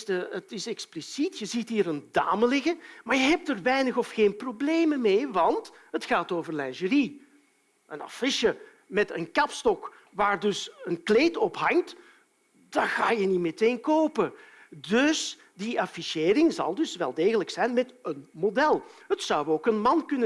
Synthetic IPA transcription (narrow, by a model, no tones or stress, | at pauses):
təətɪsɛksplisitjəzitɦiːɾənda̰ːməlɪɣəmaːɹjəɦɛp̚tərʋɛjnəxɔfxeːnprobleːjməmeːʋɑntɦətxaːtoːvərlɛnʒəri | ʔəna̰fɪʃə | mɛtə̰nkɑpstɔk | ʋaːrdɵsənkleːtɔpɦɑŋt | daxaːjənimeteːnkoːpə | dɵs | diʔɑfiseːɾɪŋzɑ̰lˠdɵsʋɛlˠdeːɣələksɛjnmɛtənmodɛlˠɦətsɑwoːkənmɑnkɵnə